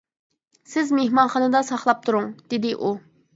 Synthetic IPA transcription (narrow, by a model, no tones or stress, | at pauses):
sɪzmehmɑnχɑnɨd̪ɑsɑχlˠɑp̚t̪ʰuɾʊŋd̪̥ɪd̪ɪʔu